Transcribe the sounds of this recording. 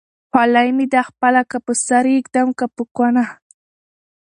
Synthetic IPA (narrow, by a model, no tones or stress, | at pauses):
xalajmid̪axpalakapəsaɾikd̪amkapəkwana